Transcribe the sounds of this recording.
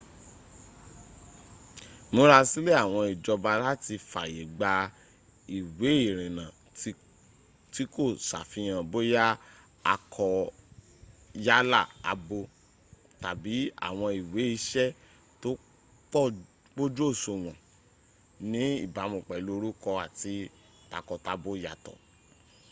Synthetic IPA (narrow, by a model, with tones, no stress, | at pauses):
mõ˧˦ɾa˧si˦le˦a˦˨w̃ɔ̃˧i˨d͡ʒɔ˧ba˧la˦ti˧fa̰˨je˨ɡ͡ba˧ | i˨we˨˦i˦˨ɾ̃ĩ˨nã˨ | ti˨˦ko˦˨sa̰˨fĩ˧j̃ã˨bo˦ja˦ | a˧kʰɔ˧ | ja˦la˦˨a̰˧bo˧ | ta˨bi˨˦a̰˦˨w̃ɔ̃˧i˨we˨˦i˧˦ʃɛ˦ | to˦ | k͡pɔ˦ | k͡po˦d͡ʒo˦˨so˧˨w̃ɔ̃˨ | nĩ˨˦ḭ˦˨ba˨˦mũ˨k͡pɛ˨lo˧˦ɾu˦kɔ˧a˨ti˧ | ta˨kɔ˧ta˧bo˦ja˨tɔ̰˨